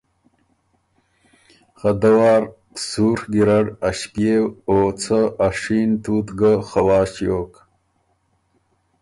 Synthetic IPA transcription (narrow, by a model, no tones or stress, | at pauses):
xad̪awaːɾ | suːɾɡiɾaɖaɕpjewoːt͡sʰəaʂiːnt̪uːt̪ɡəxawaːɕjoːk